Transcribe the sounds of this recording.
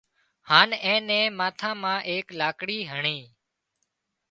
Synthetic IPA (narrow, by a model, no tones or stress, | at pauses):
haːnɛ̃ːnɛ̃ːmãːt̪ʰãːmãːʔeːklaːkɽiːɦəɳeː